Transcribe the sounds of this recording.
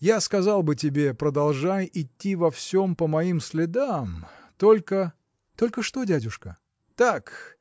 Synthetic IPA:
jaskɐzɑlˠbɨtʲɪbʲe̞pɾəd̪ɐlˠʐajɪtʲːivɐfsʲo̞mpəmɐimsʲlʲɪd̪amt̪olʲkə | t̪o̞lʲkəʂt̪o̞dʲædʲʊʂkə | t̪ak

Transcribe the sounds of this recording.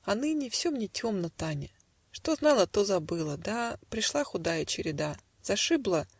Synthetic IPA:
ɐnɨnʲɪfsʲomnʲɪtʲo̞mnət̪anʲɪ | ʂt̪o̞znɑlˠət̪o̞zɐbɨlˠəd̪apɾʲɪʂlˠaxʊd̪ajət͡ɕɪɾʲɪd̪a | z̥ɐʂɨblˠə

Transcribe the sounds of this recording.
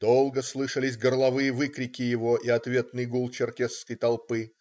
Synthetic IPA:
d̪̥olˠɡəslˠɨʂəlʲɪs̬ʲɡərlˠɐvɨjəvɨkɾʲɪkʲɪjɪvo̞ʔiɐt̪vʲe̞t̪nɨjɡulˠt͡ɕɪrkʲeskəjt̪ɐlˠpɨ

